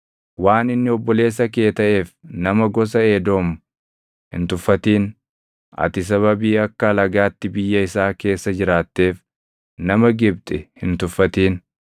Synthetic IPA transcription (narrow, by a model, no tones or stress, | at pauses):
waːnɪnːɪɔbːɔle̞ːs̬ːɐk̬e̞ːt̪ɐʔe̞ːfnɐmɐɡɔs̬ɐeːd̪o̞ːmʊ | hɪ̰nt̪ʊfːɐt̪iːn | ʔɐ̰t̪ɪs̬ɐβɐbiːɐkːɐlɐɡaːt̪ːɪbɪjːɐɪsaːke̞ːsːɐd͡ʒɪɾaːt̪ːe̞ːf | nɐmɐɡɪb̚t̪ʼɪhɪnt̪ʊfːɐt̪iːn